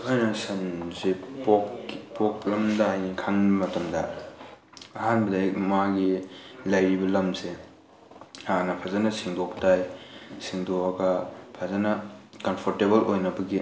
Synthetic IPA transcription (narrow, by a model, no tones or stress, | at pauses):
ajnɐsɐnzepokpok̚lɐmdaajnikʰanmɐtɐmdɐ̰ | ɐhanbɐdajmaɡilɐjɾibɐlɐmse | aanɐpʰazanɐsiŋdoptajsiŋdoɐɡɐpʰazanɐkɐmpʰoɾtebɐlojnɐbɐɡi